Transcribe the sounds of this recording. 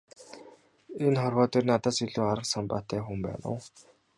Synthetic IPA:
enχɔrwɔːt̪iːrnat̪aːsɵɮuːaɾə̆qsampa̰ːt̪æːxumpæ̰ːnə̰w

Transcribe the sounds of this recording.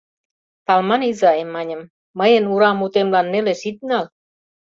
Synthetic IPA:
t̪ɑlmɑnizɑemːɑnʲə̆mː | əjənuɾɑmut̪emlɑnːeleʃit̪̚ŋɑl

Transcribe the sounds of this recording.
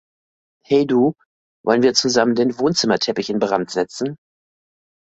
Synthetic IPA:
hɛɪduː | vɔ̰lənviːɐt͡suzaməndeːnvoːnt͡sɪmɐtʰɛpɪçɪnbəʁantz̥ɛt͡sn̩

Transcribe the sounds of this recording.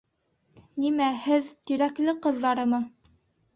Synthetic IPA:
nimæhɘðt̪iɾæklɘqɤ̆ðːɑɾɤ̆mɤ

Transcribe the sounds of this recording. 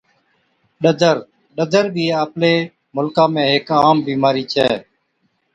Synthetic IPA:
ɗəd̪əɾ | ɗəd̪əɾbʱiːəːpleː | mʊlkãːmẽːɦekaːmbiːmaːɾiːt͡ʃʰɛː

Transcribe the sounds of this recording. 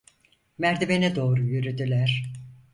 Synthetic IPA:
mæɾd̪ʰebenɛd̪o̞ːɾujyɾyd̪ylʲæɾ̥

